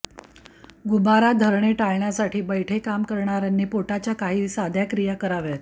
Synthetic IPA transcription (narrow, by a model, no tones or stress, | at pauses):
ɡubaɾad̪ʱəɾɳeʈajɳjasaʈʰiːbəjʈʰekamkəɾɳaɾanːiːpoʈat͡ɕjakaɦiːsad̪ʱjakɾijakəɾaʋet̪